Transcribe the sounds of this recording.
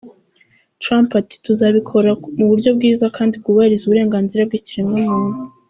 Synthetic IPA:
tɾampati̥tuzaβikʰo̞ɾamuβuɾɟo̞b̚ɡiːzakʰaːndib̚ɡuːβahiɾizuβuɾe̞ːŋɡaːnziɾab̚ɡiːciɾiŋɡamunu

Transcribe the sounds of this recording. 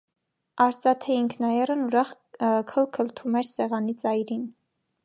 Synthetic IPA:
ɑɾt͡sɑt̪ʰɛiŋkʰnɑjɛrənuɾɑχ | kʰəlkʰəlt̪ʰumɛɾsɛʁɑnit͡sɑjɾin

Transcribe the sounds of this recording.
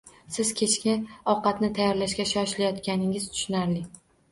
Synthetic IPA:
sɪzkʲʰet͡ʃkʲɪɒqɑt̪nɪt̪ʰajːɒɾlaʃkʲaʃɒʃlajɒt̪kʲanɪŋɪz̥t̪ʰʊ̥ʃʊnaɾlɪ

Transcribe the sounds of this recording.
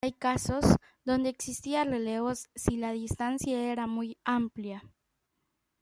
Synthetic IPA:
jkaso̞z | ðo̞nd̪eːksist̪iarele̞βo̞sːilaðist̪ansjaeɾamujamplja

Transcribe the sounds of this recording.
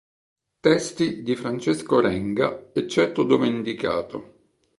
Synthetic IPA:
t̪ɛst̪id̪ifɾant͡ʃɛskoɾɛŋɡaɛt͡ʃːɛrt̪od̪ovend̪ika̰ːt̪o

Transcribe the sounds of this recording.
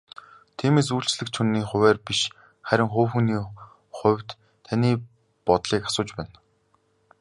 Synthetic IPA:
t̪ʰiːmeːs̬uːɬt͡ɕɮɘ̆k̚t͡ɕʰunːiːχʊ̟wæːrpiʃ | χæɾʲɪ̆ŋχoːwxuniː | χʊ̟wʲt̪ʰː | aniː | pɔt̪ɮiːkḁsʊːt͡ɕpæːn

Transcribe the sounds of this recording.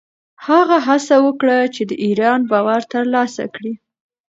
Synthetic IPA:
haɣaɦasawəkɽat͡ʃed̪əʔiɾɑnbɑwaɾt̪əɾlɑsa̰kɽi

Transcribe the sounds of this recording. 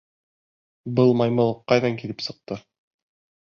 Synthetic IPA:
bɤlˠmɑjmɤlˠqːɑjðɑŋkilɘpsɤ̆q̚t̪ɤ

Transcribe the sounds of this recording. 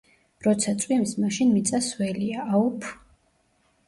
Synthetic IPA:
ɾɔt̪sʰat̪sʼwimsmaʃinmit̪sʼaswɛliaʔaupʰ

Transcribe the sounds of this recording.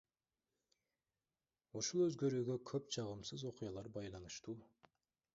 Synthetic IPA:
uʃulˠøzɡø̞ɾyːɡø̞kʰøp̚t͡ʃʰɑʁɯmsɯzo̞qʊjɑlˠɑɾbɑjlˠɑnɯʃt̪uː

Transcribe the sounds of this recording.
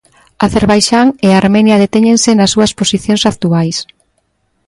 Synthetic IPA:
aθeɾβajʃaŋeaɾmɛnjɐðet̪ɛɲẽŋsenɐsːuɐsposiθjõŋsakt̪uajs

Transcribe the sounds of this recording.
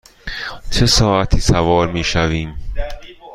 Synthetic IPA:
t͡ʃʰe̞sɒːʔæt̪ʰiːsævɒːɾmiːʃæviːm

